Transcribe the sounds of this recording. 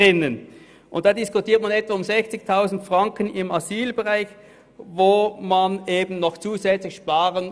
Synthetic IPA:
ɪnən | ʔʊ̰ntd̥aːdɪskʊtʰiːɐtmanɛtv̥aɐʊmzɛçt͡sɪçtʰaʊzn̩tfʁ̥ɑŋkənɪmaziːlbɛʁaɪç | voːmaneːbn̩nɔχt͡suːzɛt͡slɪçʃpaːʁən

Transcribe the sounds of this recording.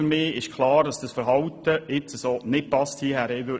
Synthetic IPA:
ɾmɪːɪʃkʰlɑːɾdɑsd̥ɑsfəɾɦɑwt̪əɪt͡səsoːnɪt̚pɑsthiːəhæːɾɛvø

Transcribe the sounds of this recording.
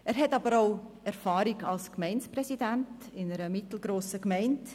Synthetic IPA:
æːɾɦɛtɑbəɾaʊ | ɛɾfɑːɾiɡɑlskmɛɪnsprɛsidænt | ɪnəɾəmɪtl̩ɡɾoːsəkmɛɪnt

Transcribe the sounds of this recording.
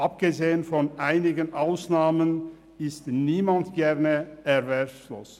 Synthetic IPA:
ʔap̚ɡ̥əzeːənfɔnʔaɪnɪɡənʔaʊsnaːmən | ɪstniːmantɡ̥ɛʁnəʔɛvɛʁfloːs

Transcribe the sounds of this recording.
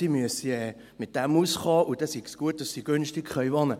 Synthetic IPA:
imyəsiɛː | mɪt̚d̥ɛmusχɑːʔud̥ɛsiɡ̥sɡ̥uət̚d̥ɑsːiɡ̥ønʃtɪɡχœʏvɑnə

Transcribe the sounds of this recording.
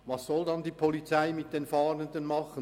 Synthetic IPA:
vɑsːɔldɑndiːpʰɔlit͡saɪmɪt̚d̥eːnfɑːnəndənmɑχə

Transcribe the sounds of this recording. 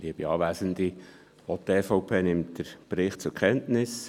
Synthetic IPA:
liəb̥iɑːʋæːsənd̥̪i | ɔteːfɔʊpʰeːnɪmtd̥əɾb̥ɾɪχtt͡sʊɾkʰɛntnɪs

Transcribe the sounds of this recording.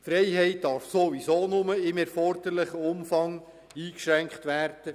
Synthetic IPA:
fɾɛjɦɛɪt̚d̥ɑɾfsoʋisoːnʊməɪmɛɾfɔɾd̥̪əɾləχəʊmfɑŋ | iːkʃɾæŋkχtʋæːɾd̥ə

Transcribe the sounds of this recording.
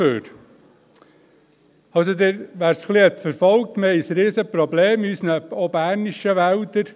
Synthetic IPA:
øːɾ | ɑlsod̪ɪɾʋæːɾsχliɛt̪fəɾfɔlk̚t̪məhɛɪsɾiːsəpɾɔbleːmyːsnəbɔbæːɾniʃəʋæwd̪əɾ

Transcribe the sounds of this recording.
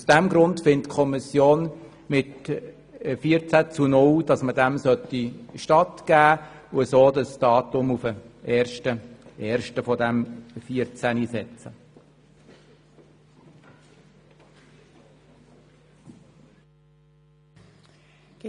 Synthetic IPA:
usd̥æmɡɾʊntfɪntkʰɔmisjoːn | mɪt | fiəɾt͡sæt͡sunʊld̥ɑsmədæmsœtːiʃtɑtɡ̥æːʊəsoːdɑsd̥ɑːtʊmufəʔɛːɾʃtəɛːɾʃtəfɔdæmfiəɾt͡sæniːsɛt͡sə

